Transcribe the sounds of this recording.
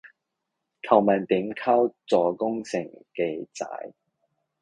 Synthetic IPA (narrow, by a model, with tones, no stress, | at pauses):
kʰɐ˨˩wmɐ˨nt̪iː˨˥mkʰaː˥wt͡sɔː˨˩kʊ˥ŋsɪ˨˩ŋke˧jt͡sa̰ː˨˧˥j